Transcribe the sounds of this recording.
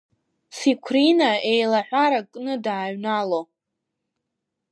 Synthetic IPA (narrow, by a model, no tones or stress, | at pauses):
sikʷʰrinaejlaħʷaɾakʼnɨdaːɥnalo